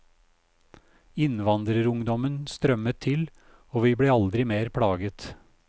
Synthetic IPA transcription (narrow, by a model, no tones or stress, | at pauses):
ɪnʋɑnd̪ɾəɾʊŋd̪ɔmənst̪ɾœmət̪ʰːɪl | oːʋiːbɽeːɑld̪ɾɪmeːɾpʰɽɑːɡət̪